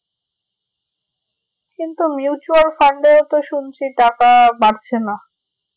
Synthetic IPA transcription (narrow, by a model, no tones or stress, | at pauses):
kint̪umjut͡ɕualfaɳɖeot̪oʃunt͡ɕʰiʈakabaɽt͡ɕʰena